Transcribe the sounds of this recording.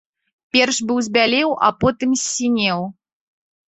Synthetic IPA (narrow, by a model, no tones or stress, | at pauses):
pʲɛrʂbɨwzʲbʲalʲɛwa̰pɔt̪ɨmsʲːinʲɛw